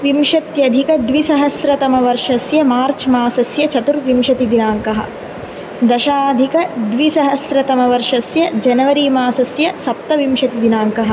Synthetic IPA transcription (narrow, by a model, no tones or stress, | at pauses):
ʋimʃɐt̪jɐd̪ʱikɐd̪ʋisɐɦɐsɾɐt̪ɐmɐʋɐɾʂɐsjɐmaːɾt͡ʃmaːsɐsjɐt͡ʃɐt̪uɾʋimʃɐt̪id̪inaːŋkɐɦɐ̰̆ | d̪ɐʃaːd̪ʱikɐd̪ʋisɐɦɐsɾɐt̪ɐmɐʋɐɾʂɐsjɐd͡ʒɐnɐʋɐɾimaːsɐsjɐsɐp̚t̪ɐʋimʃɐt̪id̪inaːŋkɐɦɐ̆